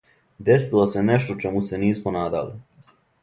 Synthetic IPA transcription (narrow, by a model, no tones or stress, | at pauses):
d̪e̞silˠose̞neʃt̪ot͡ʃemuse̞niːsmonaːd̪a̰li